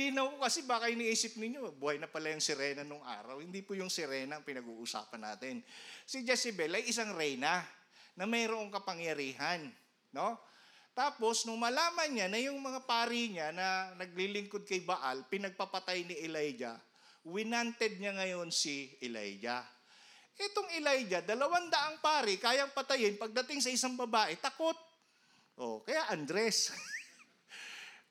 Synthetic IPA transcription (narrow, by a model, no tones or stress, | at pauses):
linɐwpokɐsɛbaːkɐjʊŋɪʔiːsɪp̚nɪɲːo̞buːhɐjnɐpɐlajʊŋsɪɾɛːnɐnʊŋʔa̰ːɾɐwhɪnd̪ipʊjʊŋsɪɾɛːnɐɐŋpɪnɐɡuːʔʊsa̰ːpɐnːa̰ːt̪ɪnsɪd͡ʒɛsɪbɛlɐjɪs̬aŋɾɛjnanɐmɐjɾoʔo̞ŋkɐpɐŋjɐɾiːɦanː | o̞t̪aːpo̞snʊŋmɐlaːmɐnɲanɐjʊŋmɐŋapaːɾiɲanɐnɐɡ̚lilɪŋkod̪̚kɐjbaʔa̰lpɪnɐɡ̚pɐpɐt̪ajnɪʔɛlajd͡ʒa̰ | wɪnant̪ɛd̪̚ɲaŋɐjo̞nsɪʔɛla̰jd͡ʒa̰ | ʔɛt̪oŋɪlajd͡ʒɐd̪ɐlɐwand̪ɐʔaŋpaːɾɪkaːjɐŋpɐt̪ɐjɪnpɐɡ̚d̪ɐt̪ɪŋsɐʔɪsaŋbɐbaːʔɛt̪ɐko̞t̪̚ | ʔo̰kɐjaʔand̪ɾɛs